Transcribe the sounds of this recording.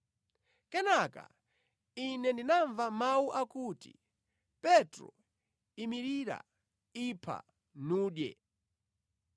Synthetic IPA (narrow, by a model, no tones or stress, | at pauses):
kɛnaka̰ | inɛndinaɱvamawuʔakutḭ | pɛtɾɔ̰ | imiɾiɾa̰ | ipʰa̰ | nuːɗjɛ̰